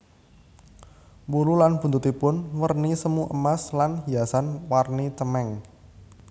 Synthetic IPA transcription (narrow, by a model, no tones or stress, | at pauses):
wululanb̥unt̪ut̪ipʊnwərnisəmuʔəmaslanɦiasanwarnit̪əmɛŋ